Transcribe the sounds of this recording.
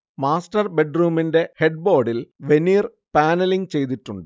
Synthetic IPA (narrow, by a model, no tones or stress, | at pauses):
maːsʈɐrbe̞ɖruːminde̞heɖ̚bo̞ːɖilʋe̞niːr | paːnɐliŋt͡ɕe̞jt̪̬iʈːuɳɖɨ